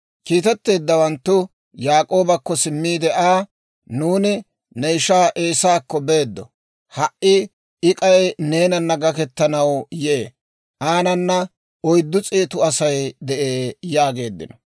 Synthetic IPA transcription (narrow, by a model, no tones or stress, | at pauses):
kiːt̪ɛt̪ːe̞ːd̪ːɐwɐnt̪ːʊ | jaːkʼo̞ːbɐkːɔsɪmːiːd̪ɛʔaː | nuːnɪ | nɛjʃaːʔe̞ːsaːkːɔbe̞ːd̪ːɔ | hɐʔʔɪ | ɪkʼɐjne̞ːnɐnːɐɡɐkɛt̪ːɐnɐwjɛʔe | ʔaːnɐnːɐ | ɔjd̪ːʊt͡sʼiːt̪ʊɐsɐjd̪ɛʔeːjaːɡe̞ːd̪ːɪ̰nɔ